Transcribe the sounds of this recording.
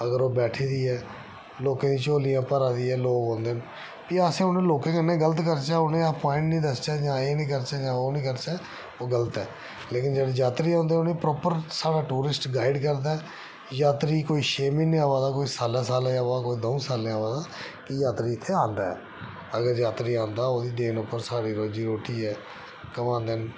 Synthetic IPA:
əɡəɾoːbɛːʈʰiːd̪iːɛː | loːkãːd̪iːt͡ʃoːlijãːpəɾaːd̪iːɛːloːkɦõːnd̪eːn | piːaːsẽːʊnẽːloːkẽːkɪnːẽːɡələt̪kəɾt͡ʃaːʊnẽːapɔ̃ːɪ̃ɳʈnĩːd̪əst͡ʃaːd͡ʒãːeːnĩːkəɾt͡ʃɛːd͡ʒãːoːnĩːkəɾt͡ʃɛː | oːɡələt̪ɛː | leːkɪnd͡ʒeːɽed͡ʒaːt̪ɾiːãːnd̪eːʊnẽːpɾɔːpəɾsaːɽaːʈuːɾɪsʈɡaːɪɖkəɾd̪aːɛ | jaːt̪ɾiːkoːiːʃeːmĩːnĩːaːʋaːd̪aːkoːiːsaːlaːsaːlẽːaːʋaːkoːiːd̪oũːsaːlẽːaːʋãːd̪aː | kɪjaːt̪ɾiːɪt̪ʰːeːãːnd̪a̰ːɛ̰ː | əɡəɾjaːt̪ɾiːãːnd̪aːoːd̪iːd̪eːnʊpːəɾsaːɽiːɾoːd͡ʒiːɾoːʈiːɛː | kəmãːnd̪en

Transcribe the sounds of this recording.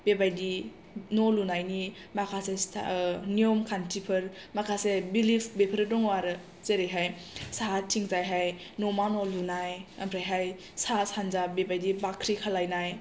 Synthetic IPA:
bebajdi | nolunajni | makʰasesnijomkʰantʰipʰɯɾmakʰasebilipʰbepʰəɾɯdɔŋwaɾɯ | zeɾeɦaj | saɦatʰiŋzajɦajnomanolunajɐmɾajɦaj | sasanzabebajdibakʰɾikʰalajnaj

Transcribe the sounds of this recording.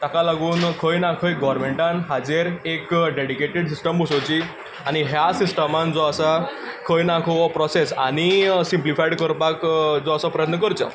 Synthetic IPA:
t̪akalaɡuːnkʰəjnakʰəjɡɔɾmeɳʈãnɦad͡zeɾekɖeɽikeʈeɽs̬isʈəmbʱusot͡ɕi | aɽ̃iɦjasisʈəmand͡zɔasakʰəjnakʰoʋɔpɾɔsesa̰ɽ̃isimplifajɽkəɾpakd͡zɔasapɾəjət̪nəkəɾt͡ɕa̰

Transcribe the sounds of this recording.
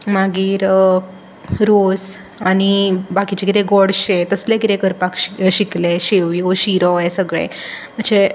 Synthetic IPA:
maɡiːɾ | ɾos | anibakit͡ɕekiɾeɡɔɽɕẽt̪əslekiɾekəɾpakɕikleɕeʋjoɕiɾɔesəɡɭḛ̃ | m̤əɳd͡ze

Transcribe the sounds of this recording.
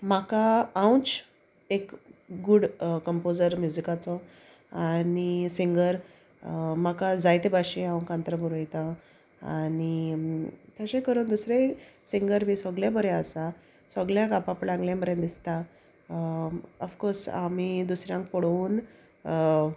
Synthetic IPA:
makaaw̃t͡s | ekɡuɽkəmpod͡zəɾmjud͡zikat͡sɔ | anisiŋɡəɾ | makad͡zajt̪ebaɕiãw̃kãnt̪ɾəbʱuɾojt̪ã | ani | t̪jaɕekəɾuːnd̪usɾesiŋɡəɾmiːsɔɡljabəɾeasa | sɔɡljakapaplãŋɡljãmbəɾjə̃d̪ist̪a | əfkoɾsa̰mid̪usɾjãŋk̚pɔɽuːn

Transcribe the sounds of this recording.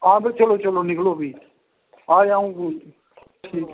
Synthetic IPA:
ãːbet͡ʃəloːt͡ʃəloːnɪkloːbʱiː | aːãːũː | iː

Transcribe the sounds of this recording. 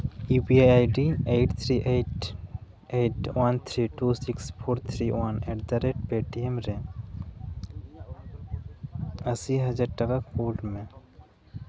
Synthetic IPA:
ibiaaɪɖieːʈt̪ʰɾiʔeːʈ | eːʈwɐnt̪ʰɾiʈuːsikspʰoːɾt̪ʰɾiwɐneːʈd̪aɾeʈ̚peːʈiemɾɛ̃ | ɐsiɦɐd͡ʒaːɾʈɐkakkoːlɖmẽ

